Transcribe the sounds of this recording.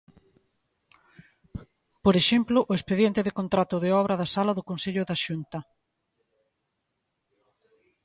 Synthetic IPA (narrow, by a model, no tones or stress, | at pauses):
poɾeʃemplʊʔʊespeðjent̪ɪðekont̪ɾat̪ʊðeɔβ̞ɾɐðasalaðʊkonseʎʊðaʃunt̪ɐ